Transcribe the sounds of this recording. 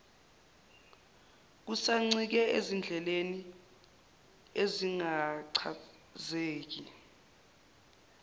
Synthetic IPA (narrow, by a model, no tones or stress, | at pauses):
k̬usaŋ͡ǀik̬ɛezind͡ɮʱɛleni | eziŋaǀʰa | zeːk̬i